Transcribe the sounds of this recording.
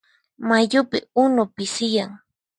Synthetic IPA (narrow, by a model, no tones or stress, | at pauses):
maʎʊpɪʊnʊpɪsɪjaŋ